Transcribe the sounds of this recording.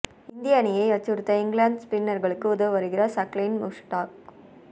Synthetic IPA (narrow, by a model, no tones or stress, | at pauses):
ɪnd̪ɪjaːnɪjɐɪɐt͡ʃːɯɾɯt̪ːɐɪŋɡɭaːɳɖspɪnːɐɾɣɐɭɯkːɯʊðɐʋɯʋɐɾɯɣɪrɐsɐklinmʊsʈaːk̚